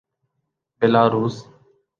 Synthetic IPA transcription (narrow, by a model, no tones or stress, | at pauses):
beːlaːɾuːs